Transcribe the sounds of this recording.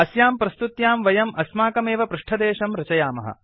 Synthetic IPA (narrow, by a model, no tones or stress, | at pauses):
ɐsjaːmpɾɐst̪ut̪jaːmʋɐjɐmʔɐsmaːkɐmeːʋɐpɾuʂʈʰɐd̪eːʃɐmɾɐt͡ʃɐjaːmɐ̰ɦɐ̰̆